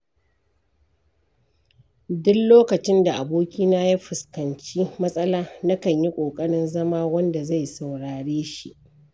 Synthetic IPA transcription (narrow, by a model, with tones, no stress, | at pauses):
dʊ˦kloː˦kɐ˨t͡ʃɪ˦nda˨ʔa˨boː˦kʲiː˦naː˦ja˦ɸɪ˨skɐ˨nt͡ʃiː˦mɐ˦sʼɐ˦laː˦na˦kɐ˨ɲji˦kʷʼoː˨kʼɐ˦ɽɪ˦nzɐ˦maː˦wɐ˦nda˨za˦˨jsa˨wɽaː˨ɽeː˦ʃi˦ʔ